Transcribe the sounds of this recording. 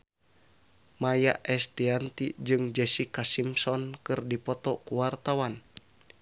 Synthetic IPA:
majaʔɛst̪iant̪id͡ʒɨŋd͡ʒɛsikasimsɔnkɨrdipɔt̪ɔkuwart̪awan

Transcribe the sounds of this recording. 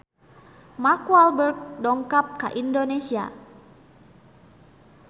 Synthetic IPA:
markwalbərɡ̚dɔŋkap̚ka̰ʔindonesia̰

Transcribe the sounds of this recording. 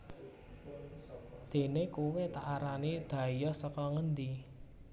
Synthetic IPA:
d̪̥e̤nekuwet̪aʔaɾanid̪̥ä̤jɔsəkɔŋənd̪i

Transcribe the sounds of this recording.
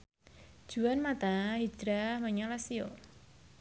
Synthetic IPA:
d̥ʒ̥uanmat̪aɦi̥d͡ʒ̥ɾaməɲalasio

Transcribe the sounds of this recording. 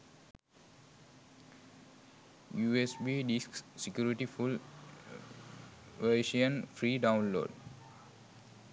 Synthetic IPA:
juesbidisksekjuɾiʈiful | eʃiə̃nfɾiːdãw̃nlo̰d

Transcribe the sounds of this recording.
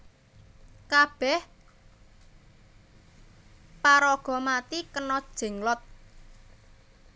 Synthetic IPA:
kab̥ɛh | paɾɔɡ̥ɔ̤mat̪ikənɔd̥ʒ̥ɛ̤ŋlɔt̪̚

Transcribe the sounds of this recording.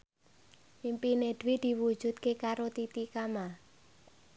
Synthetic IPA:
impined̪̥wid̪̥i̤wud̥ʒ̥ṳt̪̚kekaɾot̪it̪ikama

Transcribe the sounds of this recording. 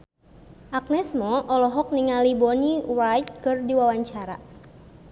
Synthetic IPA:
ʔak̚nɛsmɔʔɔlɔɦɔk̚niŋalibɔniwajt̪̚kɨrdiwawaɲt͡ʃaɾa̰

